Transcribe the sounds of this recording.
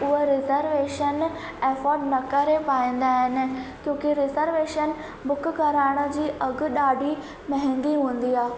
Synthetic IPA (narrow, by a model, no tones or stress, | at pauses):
ʊɦeɾɪzəɾʋeːʃən | eːfɔːɾɖnɐkɐɾepaːĩːn̆d̪aːɦɪnɪ̆kjõːkɪɾɪzəɾʋeːʃən | bʊkkɐɾaːɪɽ̃ə̆d͡ʑiːʔɐɡʊ̆ɗaːɖʱi | mɐ̃ɦɪ̃ŋɡiɦũːn̆d̪iaː